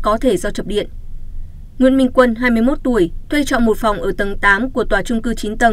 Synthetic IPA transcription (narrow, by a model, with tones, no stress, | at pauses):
kɔ˨˦t̪ʰe˧˩zɔ˧t͡ɕə˨˩p̚ɗḭ˧˨ən | ŋwḭ˧˨ənmï˧ŋ̟kwə˧nɦaː˧jmɨ˧əjmo˦˥t̚t̪u˧˩əjt̪ʰwe˧jt͡ɕɔ̰˧˨nmo˨˩t̚fa˨˩wŋ͡mʔəː˧˩t̪ə˨˩˦ŋt̪aː˨˦mku˧˩ət̪waː˧˩t͡ɕʊ˧ŋ͡mkɨ˧t͡ɕi˨˦nt̪ə˨˩ŋ